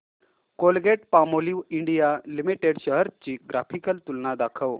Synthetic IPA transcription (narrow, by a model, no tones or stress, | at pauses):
kolɡeʈ̚pamoliʋiɳɖijalimiʈeɽɕəɦəɾt͡ɕiːɡɾafʰikəlt̪ulnad̪akʰəʋ